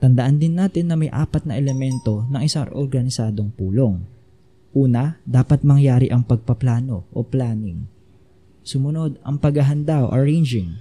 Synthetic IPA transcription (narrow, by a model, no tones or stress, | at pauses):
t̪ɐnd̪ɐʔand̪ɪnːaːt̪ɪnːɐmɐjʔa̰ːpɐt̪̚nɐʔɛlɛmɛnt̪o̞nɐŋʔɪsaŋʔoɾɡɐnɪsaːd̪o̞ŋpuːlo̞ŋ | ʔuːnɐd̪aːpɐt̪̚mɐŋjaːɾɪʔɐŋpɐɡ̚pɐplaːno̞ʔo̰plaːnɪŋ | sʊmʊno̞d̪̚ɐŋpɐɡhɐɦɐnd̪awʔɐ̰ɹɛjnd͡ʒɪŋ